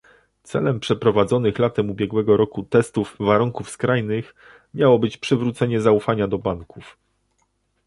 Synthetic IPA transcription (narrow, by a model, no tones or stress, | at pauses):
t̪sɛ̰lɛmpʂɛpɾɔvad̪zɔnɘxlat̪ɛmubʲjɛɡwɛɡɔɾɔkut̪ɛst̪uvːaɾuŋkufskɾajnɘx | mʲjawɔbɘt͡ɕpʂɘvɾut̪sɛɲɛzaufaɲad̪ɔbaŋkuf